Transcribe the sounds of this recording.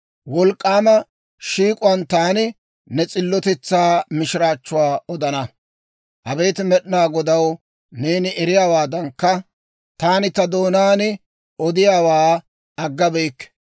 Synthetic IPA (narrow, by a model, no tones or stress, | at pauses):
wɔlkʼːaːmɐ | ʃiːkʼʊwɐnt̪aːnɪ | nɛt͡sʼɪlːɔt̪ɛt͡sːaːmɪʃɪɾaːt͡ʃːʊwaːɔd̪ɐnɐ | hɐbe̞ːt̪ɪmɛɗnaːɡɔd̪ɐw | neːnɪʔɛɾɪjaːwaːd̪ɐŋkːɐ | t̪aːnɪt̪ɐd̪o̞ːnaːnɪ | ɔd̪ɪjaːwaː | ɐɡːɐbɛjkː